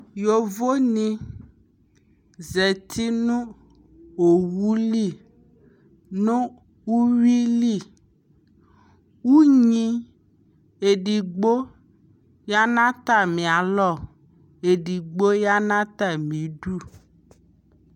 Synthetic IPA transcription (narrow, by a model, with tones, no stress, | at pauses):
jo˨vo˦nĩ˦ | zɛ˨t̪ʰi˦nũ˦ | o˨wu˦li˦˨ | nũ˦ | wu˦wi˦li˦˨ | wu˦ɲĩ˦ | e˨ɖi˨ɡ͡bo˦ | ja˦nã˦t̪a˦˨mĩ˨a˨lɔ˦˨ | e˨ɖi˨ɡ͡bo˦ja˦nã˦t̪a˦mĩ˨˦ɖu˦